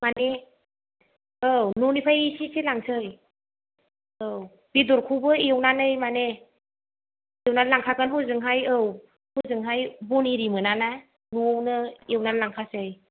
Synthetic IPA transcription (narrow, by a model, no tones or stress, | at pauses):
mane | ɯwnunipʰajisisilaŋsɯj | ɯw | b̥iduɾkʰubɯiwnanɯjmane | ewnanlaŋkʰakɯnhuzɯŋɦajɯw | huzɯŋɦajbuniɾimɯnana | nuwnɯewnalaŋkʰasɯj